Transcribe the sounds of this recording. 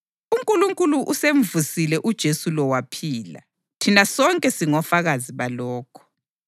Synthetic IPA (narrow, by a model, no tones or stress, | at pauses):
uŋkʼuluŋkʼuluʔuseɱvusilɛʔud̥ʒ̥ʱesulɔwapʰiːla̰ | tʰinasɔŋkʼɛsiŋɔfaɣaziβalɔːkʰɔ̥